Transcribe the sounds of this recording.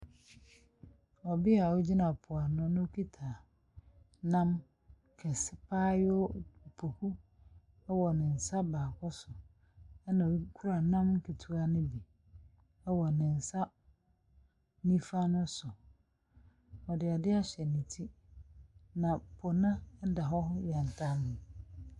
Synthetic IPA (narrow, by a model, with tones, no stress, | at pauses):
ɔ˨bɪ˦a˨ɔ˦d͡ʑi˦nã˨pʰʊ˨a˨nʊ̃˦nʊ̃˦o˦kʰi˦tʰa˨ | nã˦m | kʰɛ˨sɪ˦pʰaː˦jɔ˦˨pʰo˨hu˦ | ɛ˦wɔ˨nɪ̃˨n̩˨sa˦baː˨kʰɔ˦sʊ˨ | ɛ˦nã˨i˦kʰu˦ɾa˨nã˦mŋ̩˦kʰi˨tʰu˨a˦nɪ̃˦bi˨ | ɛ˦wɔ˨nɪ̃˨n̩˨sa˦ | nĩ˦fa˦nʊ̃˦sʊ˨ | ɔ˨dɪ˨a˨dɪ˦a˦ɕɛ˨nĩ˨tʰi˦ | nã˨pʰʊ˨nã˦n̩˦da˨ɦɔ˦hʊ˦jɛ̃˨n̩˨tʰa˦nʊ̃˨